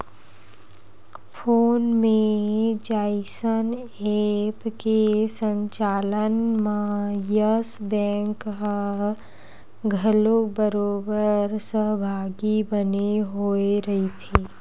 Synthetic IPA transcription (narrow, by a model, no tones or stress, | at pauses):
fʰoːnmẽd͡ʒaːɪsən | eːpkesə̃ɲt͡ʃaːlənmãjəsbɛ̃ːŋkɦə | ɡʱəlobəɾoːbəɾsəɦbʱaːɡibəneɦoeɾɐɦit̪ʰeː